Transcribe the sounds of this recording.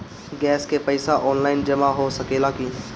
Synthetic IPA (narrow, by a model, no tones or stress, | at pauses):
ɡɛːskepɐɪsaʔɔːnlaːɪnd͡ʒɐmaɦosɐkeːlaki